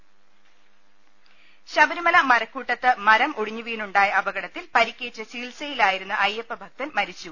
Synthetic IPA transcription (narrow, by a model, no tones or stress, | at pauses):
ɕɐbɐɾumɐlɐmɐɾɐkːuːʈːɐt̪ːɨmɐɾɐmʔoɽiɲːuʋiːɳuɳɖaːjɐɐbɐɡɐɽɐt̪ːilpɐɾikʲːe̞ːtːɐsiːlsɐjilaːjiɾunːuʔɐjepːɐbʱɐk̚t̪ɐnmɐɾit͡ɕːu